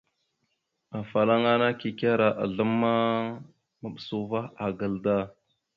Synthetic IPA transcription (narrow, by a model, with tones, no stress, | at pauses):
a˨fa˨la˦ŋa˦na˦ki˨ka˦ɾa˨ʔa̰˨ɮə˦mːa˦ | ma˨ɓə˨su˦va˦a˨ɡə˨lda˦˨